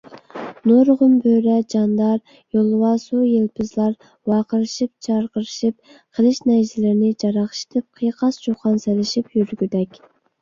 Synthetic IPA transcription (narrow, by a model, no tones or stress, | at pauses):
noɾʁʊmbøɾɛd͡ʒɑnd̪ɑɾ | jolˠɨwɑsujelpʰɪzlˠɑɾ | wɑːqəɾɨʃip̚t͡ʃʰɑɾqəɾɨʃip̚ | qʰəlˠɨʃnɛʒɪlɪɾɪnɪd͡ʒɑɾɑχʃɪ̥t̪ʰɪp̚qʰəjqʰɑst͡ʃoχɑnsɛlɪʃipjyɾɡʲyd̪ɛkʲ